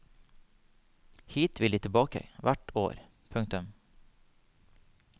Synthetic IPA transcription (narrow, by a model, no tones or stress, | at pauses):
hiːt̪ʰʋɪld̪iːt̪ʰɪbɑːkə̰ʋæʈo̰ːɾ | pʰʉŋk̚t̪ʉm